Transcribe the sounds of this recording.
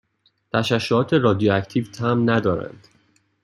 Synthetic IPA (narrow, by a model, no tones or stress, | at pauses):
t̪ʰæʃæʃːoɒːt̪ʰe̞ɾɒːd̪ijoæcʰt̪ʰiːvt̪ʰæmnæd̪ɒːɾæ̰nd̪̥